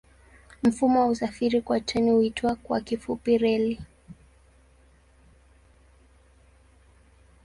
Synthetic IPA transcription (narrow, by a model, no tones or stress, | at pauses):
m̩fumɔwausafiɾikwatɛnihuitwakwa̰kifupiɾɛli